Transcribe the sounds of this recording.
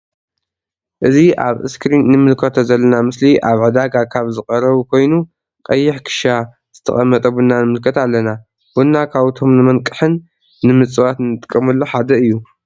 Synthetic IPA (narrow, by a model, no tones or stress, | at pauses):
ʔɨziʔa̰βʔɨ̰skɾinːɨmɨlkʰot̪ʰozɐlːɐnamɨsliʔaβʕɨd̪aɡakʰaβzɨχʼɐɾɐβukʰo̞jnu | kʼɐjːɪħkʰɨ̥ʃa | z̥ɨt̪ʰɐ̰χʼɐmːɐt̪ʼɐbunːanɨmɨlkʰɐt̪alːɐna | b̥unːakʰaβt̪ʰo̞mnɨmɐnkʼɨħɨnː | ɨmɨt͡sʼɨwat̪nɨt̪ʼɨ̥kʼːɐmɐlːoħad̪ɐɨjːu